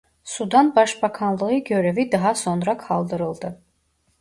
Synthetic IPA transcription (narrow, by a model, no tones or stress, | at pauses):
sud̪anbaʃbakʰanlˠɯɯɟø̞ɾevid̪ɑɦɑso̞nɾakʰɑlˠd̪ɯɾɯlˠd̪ɯ